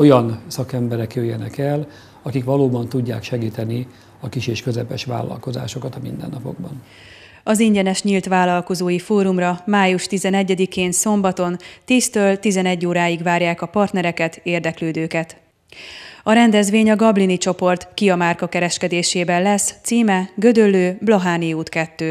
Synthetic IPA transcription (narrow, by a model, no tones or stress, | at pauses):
o̞jɒnsɒkɛmbɛɾɛkjøːjːɛnɛkɛl | ɒkikʋɒloːbɒnt̪uɟːa̰ːkʃɛɡiːt̪ɛni | ɒkiʃeːʃkøzɛpɛʃʋa̰ːlːɒ̰lko̞za̰ːʃo̞kɒt̪ɒmḭnd̪ɛ̰nːɒpo̞̰ɡ̚bɒn | ɒziɲɟɛnɛʃɲiːlt̪ʋaːlɒlko̞zoːjifoːɾumrɒmaːjuʃt̪izɛnɛɟːɛd̪ikeːnso̞mbɒt̪o̞nt̪iːst̪øːlt̪izɛnɛɟːoːɾaːjiɡʋaːrjaːkɒpɒrt̪nɛɾɛkɛt̪eːrd̪ɛkløːd̪øːkɛt̪ | ɒɾɛnd̪ɛzʋeːɲɒɡɒblinit͡ʃo̞po̞rt̪kiɒmaːrkɒkɛɾɛʃkɛd̪eːʃeːbɛnlɛst̪siːmɛɡø̞d̪ølːøːblɒɦaːniuːt̪kɛt̪ːøː